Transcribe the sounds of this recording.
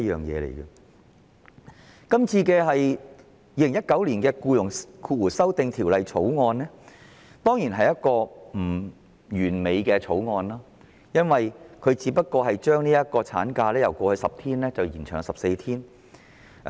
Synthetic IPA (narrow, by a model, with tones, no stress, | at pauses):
jœː˨˩ŋjɛ̰ː˨˧lḛ˨˩jkɐ˧ | kɐ˥mt͡sʰiː˧kɛː˧ɦɐ˨j | jiː˧le˨˩ŋjɐ˥t̚kɐ˨˥wliː˨˩nkɛː˧kuː˧jʊ˨˩ŋkʰuː˧t̚wuː˨˩sɐ˥wt̪ɪ˨˧ŋt̪ʰiː˨˩wlɐ˨jt͡ʃʰo˨˥wŋɔː˧nlɛː˥ | t̪ɔː˥ŋjiː˨˩nɦɐ˨jɐ˥t̚kɔː˧m̩˨˩ | jyː˨˩nme˨jkɛː˧t͡ʃʰo˨˥wŋɔː˧nlaː˥ | jɐ˥nwɐ˨jkʰɵ˨˧ɥt͡siː˨˧pɐ˥t̚kɔː˧ɦɐ˨jt͡ʃœː˥ŋniː˥jɐ˥t̚kɔː˧t͡sʰa̰ː˨˥nkaː˧lɛː˥jɐ˨˩wkʷɔː˧hɵ˧˥sɐ˨p̚t̪ʰiː˥nlɛː˥t͡sɐ˨wjiː˨˩nt͡ʃʰœ̰ː˨˩ŋsɐ˨p̚se˧jt̪ʰiː˥n